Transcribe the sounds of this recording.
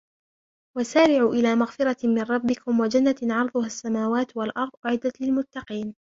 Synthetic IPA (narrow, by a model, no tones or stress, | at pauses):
wasaːɾɪʕuːʔɪlaːmaɣfɪɾɑmɪnɾˤɑbːɪkʊmwad͡ʒanːaʕɑɾˤd̪ˤʊhasːamaːwaːt̪walʔɑɾˤd̪ˤʔʊʕɪd̪ːat̪lɪlmʊt̪ːɑqiːn